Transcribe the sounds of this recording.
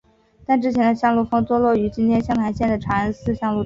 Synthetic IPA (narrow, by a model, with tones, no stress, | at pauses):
t̪a˥˧nʈ͡ʂɻ̩˥t͡ɕʰjɛ˧˥nd̪ə˧ɕjɑ˥˧ŋlu˥˩fɤ˥ŋt̪wɔ˥lwɔ˥˩y˧˥t͡ɕi˥nt̪ʰjɛ˥nɕjɑ˥ŋpʰa˧˥ɪɕjɛ˥˩nd̪ə˩ʈ͡ʂʰwa˧˥ə˧˥sɹ̩˥˧ɕjɑ˥˧ŋlu˥˩